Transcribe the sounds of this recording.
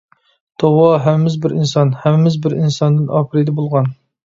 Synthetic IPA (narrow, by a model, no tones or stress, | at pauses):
t̪ʰɑwɑɦɛmɪmɪzbɪɾinsɑnhɛmɪmɪzbɪɾinsɑnd̪ɨnʔɑːpʰɨɾɨd̪ɛbolˠʁɑn